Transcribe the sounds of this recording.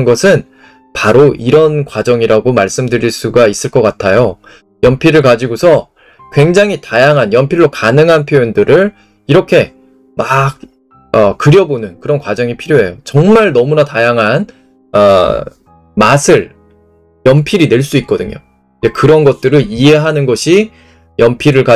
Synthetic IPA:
nɡʌsʰɯn | paɾoʔiɾʌnkwad͡ʑʌŋiɾaɡomaɭs͈ɯmdɯɾiɭs͈uɡais͈ɯɭk͈ʌk͈atʰajo | jʌmpʰiɾɯɭkad͡ʑiɡosʰʌ | kwe̞ŋd͡ʑaŋɦitajaŋɦanjʌmpʰiɭːokanɯŋɦanpʰjojondɯɾɯɭ | iɾʌkʰe̞ | mak̚ | ʌkɯɾjʌbonɯnkɯɾʌnkwad͡ʑʌŋipʰiɾjoɦe̞jot͡ɕʌŋmaɭnʌmunatajaŋɦan | ʌ | masʰɯɭ | jʌmpʰiɾine̞ɭs͈uit̚k͈ʌdɯɲo̰ | id͡ʑekɯɾʌnɡʌt̚t͈ɯɾɯɭie̞ɦanɯnɡʌɕʰi | jʌmpʰiɾɯɭka

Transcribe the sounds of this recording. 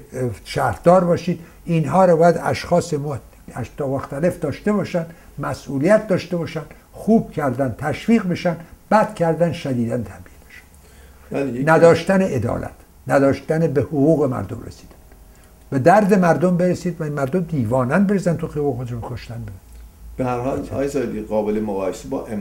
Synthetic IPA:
ʃæːɾd̪ɒːɾbɒːʃiːd̪ | inɦɒːɾɒbɒːjæd̪æ̰ʃxɒːsemɒː | æʃt̪ʰɒːmoxt̪æle̞fd̪ɒːʃt̪e̞βɒːʃænd̪ | mæsʔuːlijæt̪̚ʰd̪ɒːʃt̪e̞bɒːʃænd̪̥ | xuːb̥̚cʰæɾd̪ænt̪ʰæʃviːɣbe̞ʃænd̪b̥æd̪cʰæɾd̪ænʃæd̪iːd̪ænt̪ʰæbiːlbeʃæ̥n | lnæd̪ɒːʃt̪æneʔed̪ɒ̰ːlʔæ̰t̪ʰ | næd̪ɒːʃt̪ænebehoɣuːɣemæ̰ɾd̪omrḛsi̥ːd̪e̥bud̪̥ | b̥ed̪æɾd̪e̞mæɾd̪ombeɾesiːd̪væmæɾd̪omd̪iːvɒːnænbe̞ɾezænt̪ʰuxejvexod̪eʃmekʰoʃt̪ænbeɾb̥ehæɾhɒːlɒ̰ːjezɒːjed̪iɣɒːbelemoɣɒːhesebɒːʔem

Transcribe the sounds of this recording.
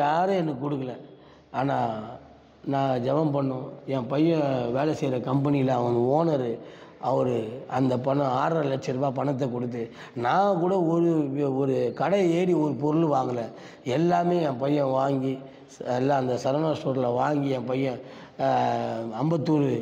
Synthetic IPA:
jaːɾɐɛnːɯkɔɽɯk̬ːɐlɐ̃ | aːnaː | nãːd͡ʒɛʋɐmpɐɳːʊ̃ɛ̃ːpɐjːɐ̃ʋeːlɛsɛjɾɐkɐmpɐnɪjɪlɐɐʋɐŋɯoːnɐɾɯ | ʔɐʋɐɾɯɐnd̪ɐpɐnɐ̃aːɾɐlɐt͡ʃːɪɾmaːp̬ɐɳɐt̪̬ːɐkɔɽɯt̪̬ːɯ | nãːkuːɽɐɔɾɯɔɾɯkɐɽɐeːɽiɔɾɯpɔɾɯlʋaːŋɡɐlɐ̃ | ɛlːaːmeːɛ̃ːpɐjːɐ̃ʋaːŋɡi | ɛlːãːnd̪ɐsɐɾʋnaːʂʈoːɾɪlɐʋaːŋɡiɛ̃pɐjːɐ̃ | ɐmbɐt̪ːuːɾɯ

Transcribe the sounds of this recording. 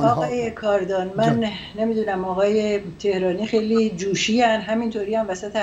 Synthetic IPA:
ɒːɣɒːjekʰɒɾd̪ɒːnmænː | emiːd̪uːnæmɒːɣɒːje̞t̪ʰe̞hɾɒːniːxejlid͡ʒuːʃiænd̪ɦæmint̪ʰoːɾiːæmvæsæt̪ʰe

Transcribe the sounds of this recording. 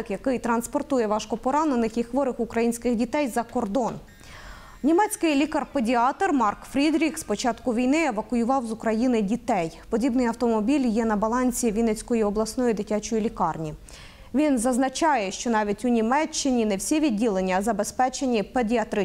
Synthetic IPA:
ɪkjɐkɪjt̪ɾɐnspɔrt̪ujɛʋɑʃkɔpɔɾɑnenɪxixʋɔɾɪxʊkɾɐjinʲsʲkɪxdʲit̪ɛjzɐkɔrd̪ɔn | nʲimɛt͡sʲkɪjlʲikɐrpedʲiɑt̪ɔrmɑrkfɾʲid̪ɾʲikspɔt͡ʃɑt̪kʊʋʲijnɪeʋɐkʊjʊʋɑwzʊkɾɐjinɪdʲit̪ɛjpɔdʲibnɪjɐwt̪ɔmɔbʲilʲjɛnɐbɐlˠɑnʲsʲiʋʲinɛt͡sʲkɔjiɔblˠɐsnɔjid̪ɪtʲat͡ʃɔjilʲikɑrnʲi | ʋʲinzɐznɐt͡ʃɑjɛʃt͡ʃɔnɑʋʲitʲʊnʲimɛt͡ʃːɪnʲinɛwsʲiʋʲid̚ʲːilˠe̞nʲːɐzɐbe̞spɛt͡ʃenʲipedʲiɐt̪ɾɪ

